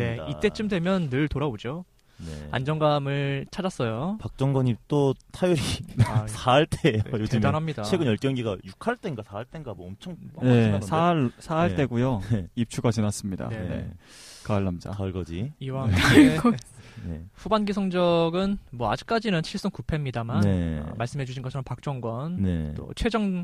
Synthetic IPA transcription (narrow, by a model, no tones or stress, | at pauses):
ne̞it͈e̞t͡ɕ͈ɯmdwe̞mjʌnːɯɭtoɾabod͡ʑo | nea̰nd͡ʑʌŋɡamɯɭt͡ɕʰad͡ʑas͈ʌjopak̚t͡ɕ͈ʌŋɡʌɲit͈otʰajuɾisʰaɭt͈ejojoedanɦamɲidaeɡɯnjʌɭk͈jʌŋɡiɡajukʰaɭt͈enɡasʰaaɭt͈enɡamwʌmt͡ɕʰʌŋne̞sʰaɭsʰaaɭt͈e̞ɡujoip̚t͡ɕʰuɡat͡ɕinas͈ɯmɲida̰ne̞̰ | kaɭːamd͡ʑa̰ɭɡʌd͡ʑiiwa | nḛɸubanɡisʰʌŋd͡ʑʌɡɯnmwʌa̰d͡ʑik̚k͈ad͡ʑinɯnt͡ɕʰiɭs͈uŋkupʰe̞mɲidamanḛmaɭs͈ɯmɦe̞d͡ʑuɕʰinɡʌt͡ɕʰʌɾʌmpak̚t͡ɕ͈ʌŋɡwʌnnet͈o̰t͡ɕʰwe̞d͡ʑʌŋ